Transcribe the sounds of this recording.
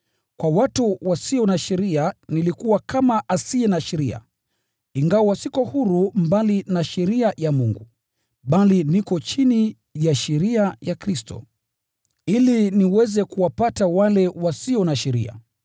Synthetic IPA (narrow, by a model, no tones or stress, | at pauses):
kwawatuwasiɔnaʃɛɾianilikuwakamaʔasiɛnaʃɛɾia̰ | iŋɡawɔwasikɔhuɾumbalinaʃɛɾiajamuŋɡu | ɓalinikɔt͡ʃini | jaʃɛɾiajakɾistɔ̰ | iliniwɛzɛkuwapatawalɛwasiɔnaʃɛɾḭa̰